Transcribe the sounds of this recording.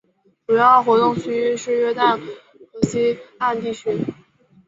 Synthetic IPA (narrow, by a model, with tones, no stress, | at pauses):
ʈ͡ʂu˨˩jɑ˥˩xwɔ˧˥t̪ʊ˥˩ŋt͡ɕʰy˧˥˧ʂɻ̩˥˧ɥɛ˥˧t̪a˥˩n | kɤ˧˥ɕi˥a˥˧nt̪i˥˩t͡ɕʰy˧˥